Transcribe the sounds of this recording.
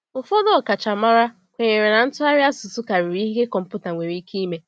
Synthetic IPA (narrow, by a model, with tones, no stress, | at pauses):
ʊ˨fɔ˦dɔ˦ɔ˨ka˨t͡ʃa˨ma˦ɾa˦ | kʷe˨ɲe˨ɾe˨na˨n̩˦tʊ˦a˦ɾja˦sʊ˨sʊ˦ka˨ɾi˨ɾi˦ɦi˦ɦe˦kɔ˨m̩˨pu˦ta˨ŋʷe˨ɾi˦kʰi˦me˦